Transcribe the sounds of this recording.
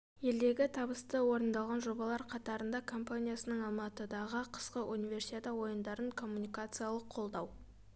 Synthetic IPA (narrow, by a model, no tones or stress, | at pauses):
je̞ld̪e̞ɡʲɪt̪ʰɑbəst̪əwo̞ɾənd̪ɑlˠʁɑnʒo̞bɑlˠɑɾqʰɑt̪ɑɾənd̪ɑkʰo̞mpanʲijasənəɴɑlˠmɑt̪əd̪ɑʁəqʰə̥sqəʔunʲivʲe̞ɾsʲi̥t̪ʲet̪əwo̞jənd̪ɑɾəɴkʰo̞mːunijkat̪sɨjalˠəqʰːo̞lˠd̪ɑw